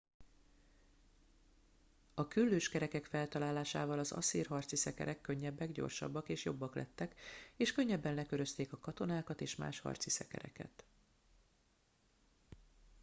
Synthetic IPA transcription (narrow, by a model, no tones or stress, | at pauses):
ɒkylːøːʃkɛɾɛkɛkfɛlt̪ɒlaːlaːʃa̰ːvɒlɒzɒ̰siːrɦɒrt̪sisɛkɛ̰ɾʔɛkːø̞ɲːɛbːɛɡɟo̞̰rʃɒ̰bːɒkeːʃjo̞bːɒklʔɛ̰t̪ːɛkeːʃkøɲːɛbːɛnlɛkø̞ɾø̞st̪eːkɒkɒt̪o̞naːkɒt̪eːʃma̰ːʃhɒ̰rt̪sisɛ̰kɛ̰ɾɛ̰kɛ̰t̪